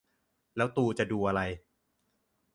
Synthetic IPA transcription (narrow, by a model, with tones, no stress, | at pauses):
lɛː˦˥wt̪uː˧t͡ɕa˨˩duː˧ʔa˧ɾa˧j